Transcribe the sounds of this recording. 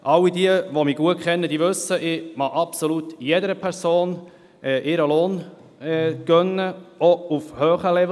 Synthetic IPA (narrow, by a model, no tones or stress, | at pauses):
ʔɑlːidiəʋomiːɡuət̚kʰχɛnːəd̥̪iːʋɵsːəʔɪmɑʔɑpsolut̪jɛdəɾəpʰɛɾsoːn | ʔɛʔɪɾəloːn | ɛɡ̥œnːəɔufhøːχəlɛv